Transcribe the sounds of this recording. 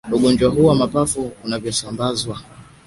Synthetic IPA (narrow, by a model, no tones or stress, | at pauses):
uɡɔnd͡ʒwaɦuwamapafuːnavjɔsambazwa